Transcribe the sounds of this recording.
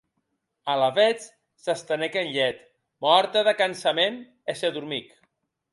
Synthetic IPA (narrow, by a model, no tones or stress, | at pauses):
alaβet͡s | sast̪ənekenʎɛt̪ | mɔɾt̪eðəkansamen | eseðuɾmik